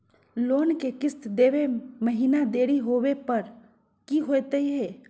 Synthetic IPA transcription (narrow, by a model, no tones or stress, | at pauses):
lonkekɪst̪d̪eʋeməɦinad̪eɽiɦobepəɾ | kiɦojt̪əiɦe